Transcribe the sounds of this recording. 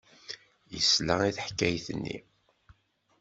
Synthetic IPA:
jə̰slæiθħkːæjθənːḭ

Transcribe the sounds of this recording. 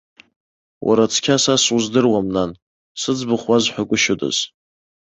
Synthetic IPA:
wʔa̰ɾat͡sʰkʲʰasasuzdɨrwamnan | sɨd͡zbɨχwazħʷakʷʼʊʃʊdʼa̰z̥

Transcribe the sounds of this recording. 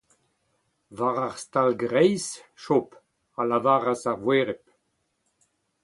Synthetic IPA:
vaʁaʁst̪alɡʁɛjsʃɔp | alavaːʁasaʁvweːʁɛp̚

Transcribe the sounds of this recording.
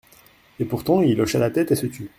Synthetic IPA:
epuʁt̪ɑ̃ilɔʃalat̪ɛt̪esət̪ʰy

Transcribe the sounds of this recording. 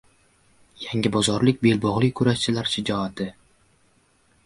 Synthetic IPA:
jaŋʲɪbɒzɒɾlɪkʲbe̞lbɒʁlˠɪkʰʊɾaʃt͡ʃʰɪlaɾʃɪd͡ʒɒat̪ʰɪ

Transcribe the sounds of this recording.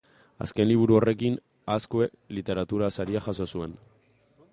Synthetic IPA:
a̰ske̞nliβ̞uɾuo̞re̞kin | askoe | lit̪e̞ɾat̪uɾasaɾiaxaso̞sue̞n

